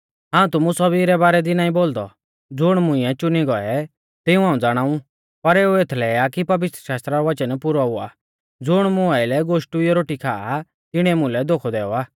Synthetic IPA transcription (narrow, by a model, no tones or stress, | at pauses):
ɦãːũt̪ʊmũsɐbiːɾɛbaːɾɛd̪inaːĩboːld̪ɔ | d͡zʊɽ̃mʊ̃ɪ̃ɛt͡ʃʊniɡɔɛ | t̪ɪũɦaːũd͡zaːɽ̃aːũ | pɐɾeːuet̪ʰlɛːakipɐʋɪt̪ɾəʃaːst̪ɾaɾɔʋɐt͡ʃənpʊɾaʊa̰ː | d͡zʊɽ̃mʊaɪlɛɡoːʃʈuiɔɾoːʈikʰaːa | t̪ɪɽ̃ɛmʊ̃lɛd̪oːkʰɔd̪ɛːɔaː